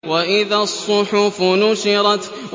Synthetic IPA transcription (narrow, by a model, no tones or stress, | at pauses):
waʔɪðasˤːʊħʊfʊnʊʃɪɾˤɑt̪ | w